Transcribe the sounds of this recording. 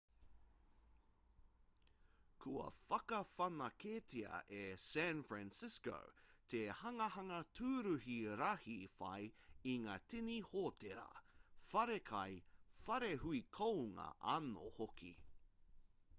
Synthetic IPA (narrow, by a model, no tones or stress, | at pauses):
kʰuɐ̰fɐkɐfɐnɐkʰeːtʰiɐ̰ʔesænfɹænsɪsko̰ʊtʰehɐŋɐhɐŋɐtʰuɾʉɦiɾɐhifɐ̰jiŋaːtʰinihoːtʰeɾɐ̰fɐɾekʰɐjfɐɾeɦuikʰowŋɐ̰ʔɐno̰hokʰḭ